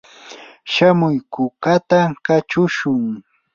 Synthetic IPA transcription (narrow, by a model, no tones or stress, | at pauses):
ʃamʊjkʊkat̪akat͡ʃʊʃʊŋ